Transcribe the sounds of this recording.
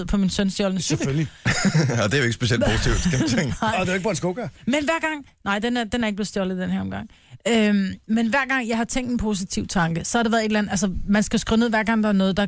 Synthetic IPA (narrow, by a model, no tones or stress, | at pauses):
ð̰ˠpʰɒ̽minsønsd̥jɒlnəseølli | ɒd̥eæjeɡ̥əsb̥e̝siel̰posit͡sʰiʊd̥skʰæmæeŋd̥eeɡə̥ɑːnsɡ̥oɡ̥ɐmenʋæɐ̰ɡ̥ɑ̈ŋ̰nɑ̈ɪ̰d̥enæɐd̥enhæɐeɡə̥ble̝ð̩ˠsd̥jɒlð̩ˠd̥enheɐɒ̽mɡ̥ɑ̈ŋ̰ | ømmenʋæɐ̰ɡ̥ɑ̈ŋ̰jɑ̈ɪhɑ̈t͡sʰeŋ̰d̥enpʰo̝s̬it͡sʰiʊ̰t͡sʰɑ̈ŋɡ̥əsɒ̽hɑdɾe̝ʋæːɐðˠe̝dlænð̩æls̬əmænsɡ̥æsɡ̥ʁine̝ʋæɐɡ̥ɑ̈ŋ̰d̥ɑ̈æɐnɔ̽ːð̞̩ˠd̥ɑ̈